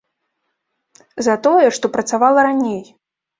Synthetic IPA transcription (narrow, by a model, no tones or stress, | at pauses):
zɐt̪ɔjɛʂt̪ɔpɾɐt̪savalˠɐɾanʲej